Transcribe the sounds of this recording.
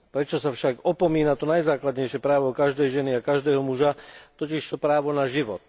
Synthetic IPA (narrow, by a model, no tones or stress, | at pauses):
pɾɛt͡ʃɔsafʃaɡɔpɔmiːnat̪ɔnajzaːklad̪ɲɛjʃɪɛpɾaːʋɔkaʒd̪ɛjʒɛniakaʒd̪ɛːɦɔmuʒat̪ɔciʃt̪ɔpɾaːʋɔnaʒiʋɔ̰t̪̚